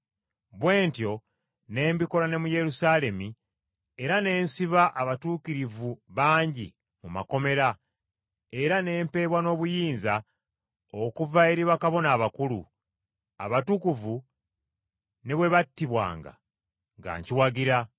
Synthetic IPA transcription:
βwe̞ːntjo̞ | ne̞ːmbiko̞lane̞muje̞ɾusaːle̞mi | eɾane̞ːnsiβaʔaβatuːkiɾivuβaːɲɟḭ | muma̰ko̞me̞ɾa | e̞ɾane̞ːmpe̞ːβwano̞ːβujiːnza | okuvae̞ɾiβakaβo̞naːβakulṵ | a̰βatukuvu | ne̞βwe̞βatːiβwa̰ːŋɡa̰ | ŋɡa̰ːɲciwaɡiɾa

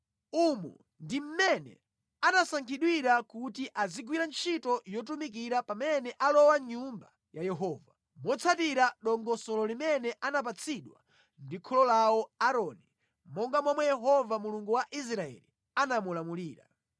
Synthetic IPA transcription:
umṵ | ndim̩mɛnɛ̰ | anasaŋkʰiɗwiɾakutiʔaziɡwiɾant͡ʃʰitɔjɔt̬umik̬iɾapamɛnɛʔalɔwaɲumba | jajɛɦɔːva | mwɔt͡sʰatiɾaɗɔŋɡɔsɔlɔlimɛnɛʔanap̬at͡sʰiɗwa̰ | ndikʰɔlɔlawɔaɾɔːni | mɔŋɡamwɔmwɛjɛɦɔvamuluŋɡuwaʔis̬ɾaɛ̰li | anamulamuliːɾa̰

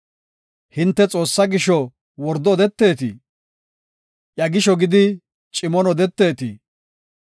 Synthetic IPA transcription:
hɪnt̪ːɛt͡sʼo̞ːsːɐɡɪʃɔ | wɔɾd̪ɔːd̪ɛt̪ːe̞ːt̪ɪ̰ | ʔjɐɡɪʃɔɡɪd̪ɪ | t͡ʃʼɪmɔnɔd̪ɛt̪ːe̞ːt̪ɪ

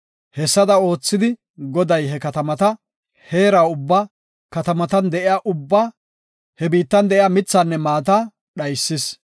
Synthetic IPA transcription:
hɛsːɐd̪ɐo̞ːt͡sːɪd̪ɪ | ɡɔd̪ɐjɦɛkɐt̪ɐmɐt̪ɐ | he̞ːɾaːʊbːa | kɐt̪ɐmɐt̪ɐnd̪ɛʔɪjaːʔʊbːaː | hɛbiːt̪ːɐnd̪ɛʔɪjaːmɪt͡sːanːɛmaːt̪̬ɐ | ɗɐjsːɪs

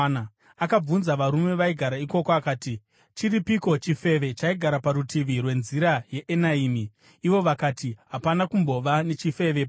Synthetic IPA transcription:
a | akab͡vunzaʋaɾume̞ʋaiɡʱaɾaiko̞koakaːti | t͡ʃiripiko̞t͡ʃife̞ʋe̞t͡ʃaiɡʱaɾapaɾutiʋirwe̞nziɾaje̞ʔenaiːmiː | ʋo̞ʋakaːtiɦapanakumbo̞ʋane̞t͡ʃife̞ʋe̞pa

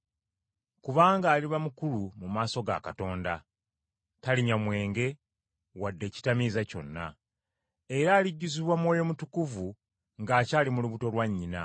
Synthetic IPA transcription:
kuβaːŋɡaːliβamukulumumaːso̞ɡa̰ka̰to̞ːnda | taliɲamwe̞ːŋɡe̞ | wadːe̞ːci̥tamizaco̞̰nːa̰ | e̞ɾaːliɟːuziβwamwo̞ːjo̞mutukuvu | ŋɡaːcaːlimuluβuto̞lwaɲːina̰

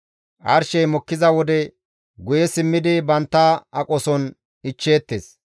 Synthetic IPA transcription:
ʔɐɾʃɛjmɔkːɪzɐwɔd̪ɛ | ɡʊjɛsɪmːɪd̪ɪbɐnt̪ːɐɐkʼɔsɔn | ɪt͡ʃːe̞ːt̪ːeːs

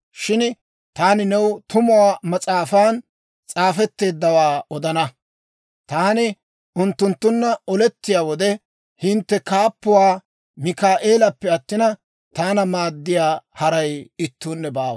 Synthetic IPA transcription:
ʃɪn | t̪aːnɪnɛwt̪ʊmʊwaːmɐt͡sʼaːfaːn | t͡sʼaːfɛt̪ːe̞ːd̪ːɐwaːɔd̪ɐnɐ | t̪aːnɪ | ʊnt̪ːʊnt̪ːʊnːɐɔlɛt̪ːɪjaːwɔd̪ɛ | hɪnt̪ːɛkaːpːʊwaː | mɪkaːʔeːlɐpːɛɐt̪ːɪnɐ | t̪aːnɐmaːd̪ːɪjaːhɐɾɐjɪt̪ːuːnːɛbaː

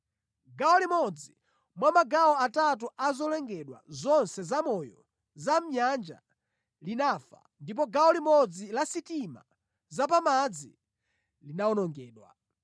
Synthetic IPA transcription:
ɡawɔlimɔd͡zi | mwamaɡawɔatat̬uazɔlɛŋɡɛɗwa̰zɔnsɛzamɔjɔ | zam̩ɲand͡ʒa̰ | linafa̰ | ndip̬ɔɡaɔlimɔd͡zilasitima̰ | zapamad͡zḭ | linaɔnɔŋɡɛːɗwa̰

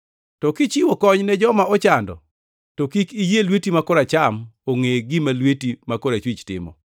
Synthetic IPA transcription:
tɔkɪt͡ʃɪwokɔɲnɛd͡ʒɔmaɔt͡ʃandɔ̰ | tɔkikijelwetimakoɾat͡ʃamoŋeɡɪmalwetimakoɾat͡ʃwit͡ʃtɪ̰mɔ̰

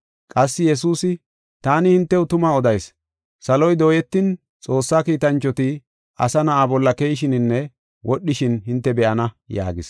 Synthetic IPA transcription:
kʼɐsːɪjɛs̬uːsɪ | t̪aːnɪhɪnt̪ːɛwʊt̪ʊmɐɔd̪ɐjs | sɐlɔjd̪o̞ːjɛt̪ːɪn | t͡sʼo̞ːsːaːkiːt̪ɐnt͡ʃːɔt̪ɪ | ʔɐ̰sɐnɐʔaːbɔlːɐkejɪʃɪnɪnːɛ | wʔɔɗːɪʃɪnɦɪnt̪ːɛbɛʔɐnɐ | ja̰ːɡɪs

